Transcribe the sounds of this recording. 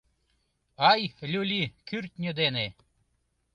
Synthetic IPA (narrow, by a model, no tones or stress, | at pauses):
ɑjlʲulʲikyrt̪ʲnʲød̪ene